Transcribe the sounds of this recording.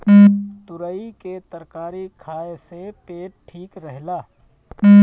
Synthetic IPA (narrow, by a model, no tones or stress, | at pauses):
t̪ʊɾəiket̪əɾkaːɾikʰaːesepeːʈ̚ʈʰːiːkɾəɦlaː